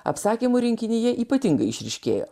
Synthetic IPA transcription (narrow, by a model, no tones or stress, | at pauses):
ɐ̰psɑːkʲiːmuɾʲɪŋʲkʲɪnʲɪjɛʔiːpɐt̪ʲɪŋɡɐɪɪʃʲɾʲɪʃʲkʲḛːjo̰ː